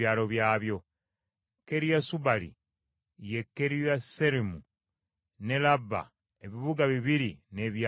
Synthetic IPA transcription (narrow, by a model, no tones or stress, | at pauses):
aːlo̞βjaːβjo̞ | ke̞ɾijasubalḭ | je̞kːe̞ɾijase̞ɾimu | ne̞labːa̰ | eβiβuɡaβiβiɾine̞βja